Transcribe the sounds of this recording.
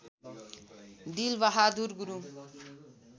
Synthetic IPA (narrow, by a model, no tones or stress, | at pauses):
ɖilbaɦad̪uɾɡuɾu